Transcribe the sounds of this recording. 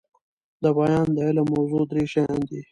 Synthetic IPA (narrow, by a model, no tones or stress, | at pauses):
d̪əbajɑːnd̪əelamawzod̪ɾeʃajɑ̃nd̪i